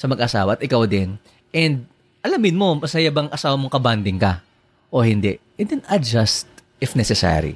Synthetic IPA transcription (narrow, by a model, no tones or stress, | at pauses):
sɐmɐɡɐʔɐsa̰ːwɐʔɐt̪ʔɪkawd̪ɛn | ʔɛnd̪̚ | ʔɐlamɪnmo̞mɐsajabɐŋʔɐsaːwɐmo̞ŋkɐband̪ɪŋkɐ | ʔo̞hɪnd̪ɛʔ | ɛd̪ɛnɐd͡ʒast̪ | ɪfnɛsɛsa̰ɾḭ